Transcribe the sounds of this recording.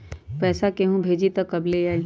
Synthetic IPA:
pɛːsakeɦũbʱeːd͡ʒit̪ɐkːɐbleaːi

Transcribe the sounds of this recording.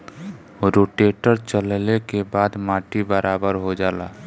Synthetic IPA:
ɾoːʈeʈəɾt͡ʃəllekebaːd̪maːʈibəɾʔaːbəɾɦod͡ʒaːla̰ː

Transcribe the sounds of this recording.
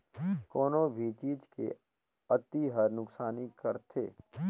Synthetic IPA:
kɔːnobʱit͡ʃiːd͡ʒkḛ | ət̪iɦəɾnʊksaːnikəɾt̪ʰḛː

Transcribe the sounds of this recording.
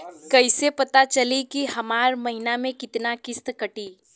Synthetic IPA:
kəɪsepɐt̪at͡ʃəlikihɐmaːɾmɐɦinamẽkɪt̪nakɪst̪kəʈi

